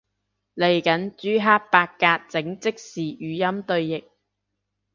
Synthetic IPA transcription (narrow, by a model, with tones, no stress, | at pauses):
le˨˩jkɐ˨˥nt͡ʃyː˨˥ɦaː˥t̚paː˧kkːaː˧t̚t͡sɪ˨˥ŋt͡sɪ˥k̚siː˨ʔyː˨˧jɐ˥mt̪ɵ˧ɥjɪ˨k̚